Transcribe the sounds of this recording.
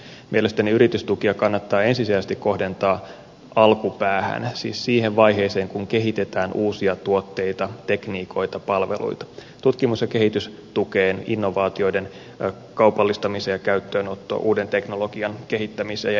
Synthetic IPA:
mielest̪æniyɾit̪yst̪ukiɑkɑnːɑt̪ːɑːensisiæsest̪ikːo̞ɦde̞nt̪ɑː | ʔɑlkupæːhæ̰nsḭːssiːɦeʋʋɑjɦe̞ːse̞ːŋkuŋke̞ɦit̪e̞t̪æːnʔuːsiɑt̪uot̪ːe̞jt̪ɑt̪e̞kniːko̞jt̪ɑpɑlʋe̞̰lṵjt̪ɑ̥t̪ut̪kimusjɑke̞ɦhit̪ys | t̪ukeːnḭnːo̞ʋɑːt̪io̞jde̞n | kɑwpɑlːist̪ɑmisejjɑkæyt̪ːøːnot̪ːo̰ːʔuːde̞nt̪e̞kno̞lo̞ɡ̥iɑnke̞hit̪ːæmisḛ

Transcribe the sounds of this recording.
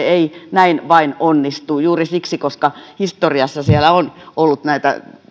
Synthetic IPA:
einæinʋɑinonːist̪uːjuːrisiksikoskɑhist̪oriɑsːɑsielæonolːut̪næit̪æ̰

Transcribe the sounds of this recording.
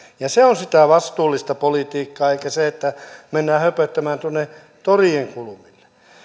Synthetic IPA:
jɑseonsit̪æʋɑst̪uːlːist̪ɑpolit̪iːkːɑːeikæseet̪ːæmenːæːhøpøt̪ːæmæːnt̪uonːe | t̪orieŋkulumilːe̥

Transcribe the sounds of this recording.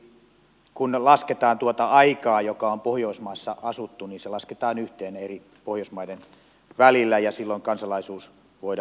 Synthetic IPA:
kunlɑsket̪ɑːnt̪uot̪ɑɑikɑːjokɑompohjoismɑisːɑʔɑsut̪ːuniːnselɑsket̪ɑːnyht̪eːneri | pohjoˑismɑiden | ʋælilːæjɑsilːoiŋkɑnsɑlɑisuːs | ʋoid

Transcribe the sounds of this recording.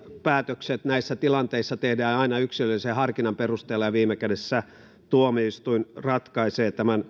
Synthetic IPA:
pæːt̪økset̪næisːæt̪ilɑnt̪eisːɑt̪ehdæːɑinɑyksilølisehɑrkinɑmperust̪eːlːɑjɑʋiːmekædesːæ | t̪uomiist̪uinrɑt̪kɑiseːt̪æmæn

